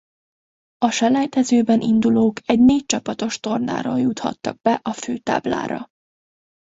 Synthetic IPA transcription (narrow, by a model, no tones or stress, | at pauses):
ɒʃɛlɛjt̪ɛzøːbɛnʔind̪uloːkʰɛɟneːc̚t͡ʃɒpɒt̪o̞ʃt̪o̞rna̰ːɾoːljut̪hɒ̰t̪ːɒ̰ɡ̚bɛʔɒføːt̪a̰ːbla̰ːɾɒ̰